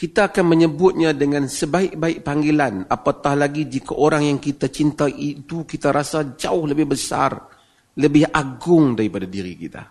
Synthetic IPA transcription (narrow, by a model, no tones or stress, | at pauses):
kit̪aːkanməɲəbʊt̪̚ɲãdəŋãnsəbaɪʔ̚baɪʔ̚paŋɡilanapat̪ahlaɡid͡ʒikaʔoɾaŋjaŋkit̪at͡ʃint̪aʔit̪ukit̪aɾasad͡ʒaʊhləbɪhbəsa̰r | ləbɪhʔaɡʊŋdaɾipadadiɾḭkit̪a̰